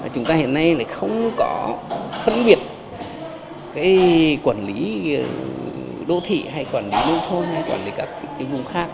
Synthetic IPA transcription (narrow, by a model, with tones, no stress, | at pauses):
aː˨˩t͡ɕʊ˨˦ŋ͡mt̪aː˧hḭ˧˨ənːa˧jla̰ː˧˨jxə˧wŋ͡mkɔ˨˦xə˧nɓi˨˩ət̚ | kaː˨˦jkwaː˧˩nli˨˦ | ɗo̰˧˨t̪ʰḭ˧˨ha˧jkwaː˧˩nli˨˦nə̰˧wŋ͡mt̪ʰo˧nha˧jkwaː˧˩nli˨˦kaː˦˥kːkaː˨˦wvʊ˧˩ŋ͡mxaː˦˥k̚